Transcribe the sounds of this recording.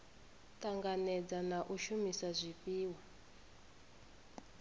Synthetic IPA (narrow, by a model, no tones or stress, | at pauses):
kaŋɡanɛd͡zanaʔuʃumisazʷipiːwa